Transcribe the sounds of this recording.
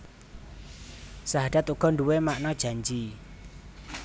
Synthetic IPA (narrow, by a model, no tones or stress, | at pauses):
saɦaɖ̥at̪uɡ̥ɔ̤nɖuwemaʔnɔd̥ʒ̥a̤ɲd͡ʒi